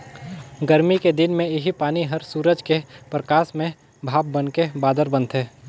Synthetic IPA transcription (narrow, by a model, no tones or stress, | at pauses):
ɡəɾmiked̪ɪnmẽɪɦipaːniɦəɾsuːɾəd͡ʒkepɾəkaːsmẽ | bʱaːb̚bənkebaːd̪əɾbə̃nt̪ɦɛː